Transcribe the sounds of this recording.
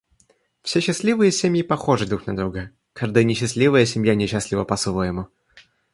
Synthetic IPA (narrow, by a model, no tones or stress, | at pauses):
fsʲeɕːɪsʲlʲivɨjəsʲemʲjɪpɐxo̞ʐɨd̪ɾuxnɐd̪ɾuɡə | kʰaʐd̪əjnʲɪɕːɪsʲlʲivəjəsʲɪmʲjanʲɪɕːasʲlʲɪvəpɐsvojɪmʊ